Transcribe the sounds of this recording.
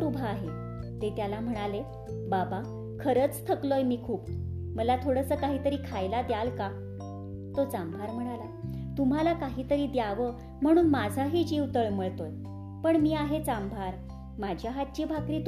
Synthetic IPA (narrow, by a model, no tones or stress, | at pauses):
ɾubʱaːɦe | t̪et̪jalam̤əɽ̃ale | baba | kʰəɾət͡st̪ʰəklojmiːkʰuːp | məlat̪ʰoɽəsəːkaɦiːt̪əɾiːkʰajlad̪jalka | t̪ot͡sambʱaɾm̤əɽ̃alat̪um̤alakaɦiːt̪əɾiːd̪jaʋə | m̤əɽ̃uːnmad͡zʱaɦiːd͡ʑiʋt̪əɭməɭt̪oj | pəɳmiːaɦet͡sambʱaɾ | mad͡ʑʱjaɦat̪̚t͡ɕiːbʱakɾiːt̪